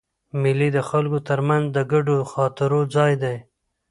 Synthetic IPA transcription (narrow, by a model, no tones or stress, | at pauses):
mɪlid̪əxalkot̪əɾmanzd̪əɡaɖoxɑt̪ɪɾod͡zɑjd̪aj